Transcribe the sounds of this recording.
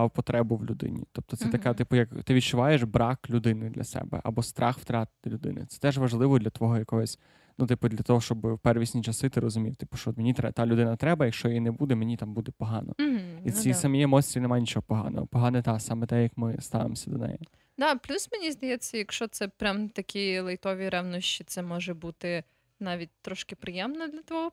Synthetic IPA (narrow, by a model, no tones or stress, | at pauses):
ɑwpɔt̪ɾɛbʊʋlʲʊd̪ɪ̰nʲḭt̪ɔp̚t̪ɔt̪sɛt̪ɐkɛt̪ɪpʊjɐkt̪ɪʋʲit̪̚t͡ʃʊʋɑjeʒbɾɑklʲʊd̪ɪnɪd̪lʲɐ̰sɛ̰bɛ̰ʔɐ̰bɔst̪ɾʔɑxwt̪ɾɑt̪̚d̪ʲɐlʲʊd̪ɪ̰nɪ̰t̪sɛ̥t̪ɛʒʋɐʒlˠɪʋɔd̪lʲɐt̪ʋɔɦɔjɐkɔɦɔsʲ | nut̪ɪpʊd̪lʲɐt̪ɔɦɔʃt͡ʃɔbɪwpɛrʋʲisʲnʲit͡ʃɐsɪt̪ɪɾɔzʊmʲiwt̪ɪ̥pʊ̥ʃt͡ʃɔɔt̪mʲenʲit̪ɾɛt̪ɑlʲʊd̪ɪnɐt̪ɾɛbɐjɐkʃt͡ʃɔjjinɛbud̪ɛmenʲit̪ɑmbud̪ɛpɔɦɑnɔ̰isʲisɐmʲiemɔsʲt̪ʲɾʲiinɛmajnʲit͡ʃɔɦɔpɔɦɑ̰nɔ̰ɦɔ̰pɔɦɑnɛt̪ɑsɑmɛt̪ɛjɐkmɪst̪ɑ̰ʋḛmɔsʲɐd̪ɔ̰nɛ̰jɛ | d̪ɑplʲusmenʲizd̪ɐjɛt͡sʲːɐjɐkʃt͡ʃɔt̪sɛpɾʲamt̪ɐkʲilˠɐjt̪ɔʋʲiɾɛwnɔʃt͡ʃit̪sɛmɔʒɛbut̪ɪ | nɑʋʲit̚ʲt̪ɾɔʃkɪpɾɪjɛmnɛd̪lʲɐt̪ɔɦɔ